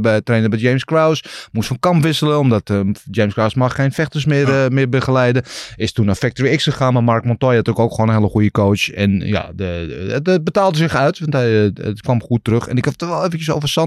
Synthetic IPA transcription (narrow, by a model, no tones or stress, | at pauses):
bɛətːreːnəbɛd͡ʒejmskrawsmustfɔnkɑmpʋɪsələɔmdɔtd͡ʒeːmskrawsmaxeːnfɛxtəsmɪrmɪbəxəlɛjdəɪstunafɛk̚toɹiɪksxəxaːnmamarkmɔntɔjatøkowkxoːnənhɪlˠəxujəkoːt͡ʃɛ̰nja̰dəətəbətaːlˠdəsɪxœɥtʋɑntɛə̰tkʋamxuətːərøxɛ̰nɪkɛtɔʋɛlˠevəntjəs̬owvərsɑ